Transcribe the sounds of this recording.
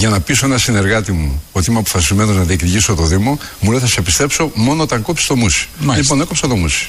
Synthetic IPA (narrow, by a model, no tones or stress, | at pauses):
ʝɐnɐpiso̞enɐsine̞ɾɣɐt̪imuot̪imeɐpo̥fɐsizme̞noznɐðiekɾiʝisot̪o̞ðimo̞muleθɐsepist̪e̞pso̞mo̞noot̪ɐŋkopst̪omusi̥mɐlipone̞ko̞psot̪omusi̥